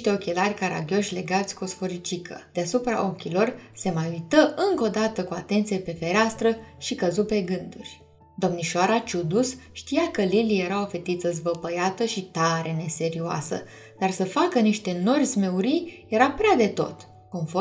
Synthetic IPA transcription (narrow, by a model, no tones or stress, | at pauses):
ʃt̪e̞o̞kʲe̞larʲkaɾa̰ɡʲo̞ʃʲle̞ɡat̪sʲkosfo̞ɾit͡ʃikʰə̰d̪̥easupɾa̰ʔo̞kʲilo̞rse̞majujt̪əʔɨŋko̞d̪at̪əkuat̪e̞nt̪sijepe̞fe̞ɾʲeast̪ɾəʃikəzupe̞ɡɨnd̪urʲ | d̪o̞mniʃoaɾat͡ʃud̪usʃt̪ijakəlilije̞ɾao̞fe̞t̪it̪səzvəpəjat̪əʃit̪aɾe̞ne̞se̞ɾioa̰sə̰ | d̪arsəfakəniʃt̪e̞no̞rʲzme̞uɾijje̞ɾapɾead̪e̞t̪o̞̰t̪ | ko̞nfo